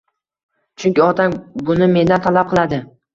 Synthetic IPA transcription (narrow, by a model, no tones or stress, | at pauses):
t͡ʃʰʊŋkʲɪɒt̪ʰambʊnɪme̞nd̪ant̪ʰalap̚qʰɨlˠad̪ɪ